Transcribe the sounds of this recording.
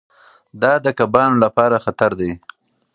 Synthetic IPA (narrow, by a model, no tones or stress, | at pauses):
d̪ɑd̪əkabɑnolapɑɾaxat̪aɾd̪aj